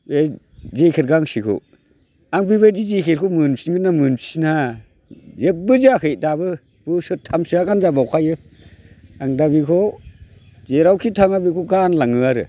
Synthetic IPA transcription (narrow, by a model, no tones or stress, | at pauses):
e | zekʰeɾɡaŋsikʰo̰ | aŋbibajdizikʰeɾkʰɔmɯnpsiŋɡɯnamɯnpsina | zep̚bɯziakɯjdabɯ | b̥ɯsɯtʰamsɯakanzabawkʰajɯ | aŋdabikʰɔ | zeɾawkʰitʰaŋabikʰɔɡanlaŋɯaɾɯ̰